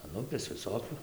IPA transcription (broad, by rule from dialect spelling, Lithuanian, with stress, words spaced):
ɐn ˈʊpʲeːs ʋʲɪˈsoːkʲʊ